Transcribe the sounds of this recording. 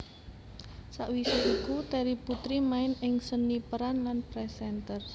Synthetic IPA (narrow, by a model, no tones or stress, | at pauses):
saʔwisiʔikut̪ɛɾiput̪ɾimaɪnɪŋsənːipəɾanlanpɾɛsɛnt̪ər